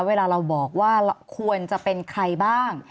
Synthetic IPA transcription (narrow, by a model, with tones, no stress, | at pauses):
weː˧laː˧ɾa˧wbɔː˨˩k̚waː˥˩˧kʰu˧ənt͡ɕa˨˩pe˧nkʰɾa˧jbaː˥˩ŋ